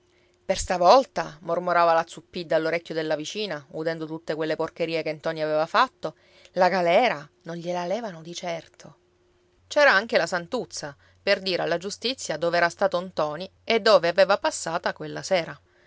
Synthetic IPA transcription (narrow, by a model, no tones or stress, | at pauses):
perst̪avɔlt̪amormoɾaːvalat̪supːid̪ːaːlːoɾekʲːod̪elːavit͡ʃiːnaud̪ɛnd̪ot̪ut̪ːekwelːeporkeɾiːekent̪ɔniavevafat̪ːo | laɡalɛːɾanonʎelalɛːvanod̪it͡ʃɛrt̪ʰo | t͡ʃɛːɾaaŋk̟elasant̪ut̪sːa | perd̪iːɾealːad͡ʒust̪it̪sːjad̪oːveɛːɾast̪aːt̪ont̪ɔːnied̪ːoːveaveːvapasːaːt̪akwelːasɛːɾa